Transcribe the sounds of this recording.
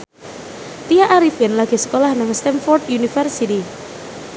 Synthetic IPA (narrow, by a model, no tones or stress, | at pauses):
t̪ijaʔaɾifɛnlaɡ̥e̤sə̥kolahnaŋst̪ɛnfɔrt̪junifɛrsit̪i